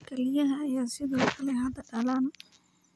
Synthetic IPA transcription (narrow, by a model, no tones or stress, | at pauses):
kʰɛlɪjɐɦɐːjaːsɪðɔːkʰɐlɛɦɐd̪ɐɖɐlaːn